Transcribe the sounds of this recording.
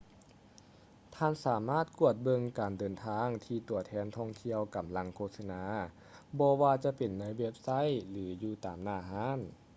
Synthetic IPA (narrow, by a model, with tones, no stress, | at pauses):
t̪ʰaː˧˥˨nsaː˩˦maː˥˩t̪̚ku˧˩ət̪̚bɤ˧ŋkaː˨˩ndɤː˨nt̪ʰaː˧ŋt̪ʰiː˧t̪u˨˩˦ɐt̪ʰɛː˧˩nt̪ʰɔː˧˩ŋt̪ʰi˧əwka˨˩mla˧˥ŋkʰoː˧t̪̚sa˧naː˧˦ | bɔː˧waː˧t͡ɕa˧˦pe˨˩nːa˧˥jwe˧˥p̚sa˧˥˨jlɯː˩˦juː˧˩t̪aː˨˩mnaː˧˩ɦaː˧˥˨n